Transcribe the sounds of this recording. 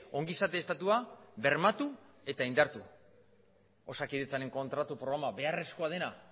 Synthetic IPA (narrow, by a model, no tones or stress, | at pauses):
o̞ŋɡisat̪e̞ːst̪at̪uaβe̞ɾmat̪ue̞t̪aind̪aɾt̪u | o̞sakiðet͡sane̞ŋko̞nt̪ɾat̪upɾo̞ɣɾamaβe̞are̞sko̞að̞e̞na